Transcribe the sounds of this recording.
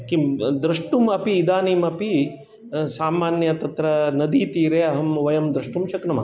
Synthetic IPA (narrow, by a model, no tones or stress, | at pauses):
kid̪ɾɐʂʈumɐpiːd̪aːniːmɐpi | saːmaːnjɐt̪ɐt̪ɾɐnɐd̪iːt̪iːɾeːɐɦɐmʋɐjɐmd̪ɾɐʂʈumt͡ʃɐknɐmɐ